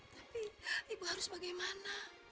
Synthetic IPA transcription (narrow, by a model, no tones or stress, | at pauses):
t̪apiibuhaɾʊsbaɡajmana